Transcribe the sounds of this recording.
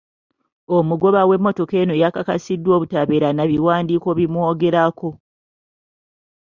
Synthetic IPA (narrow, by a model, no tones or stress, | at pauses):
omuɡo̞βawe̞mːo̞to̞ke̞ːno̞jakakasidːwo̞ːβutaβeɾanaβiwaːndiːko̞βimuo̞ːɡe̞ɾako̞